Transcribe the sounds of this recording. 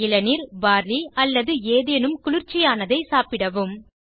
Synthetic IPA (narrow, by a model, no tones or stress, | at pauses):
ɪlɐniɾbaːɾliɐlːɐðɯeːðeːnɯmkʊlɪɾt͡ʃːɪjaːnɐðɐɪsaːpɪɽɐʋɯm